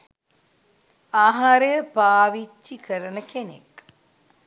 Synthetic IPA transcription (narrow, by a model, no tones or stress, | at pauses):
aːɦaɾejəpaːʋit͡ʃːikəɾənəkenḛk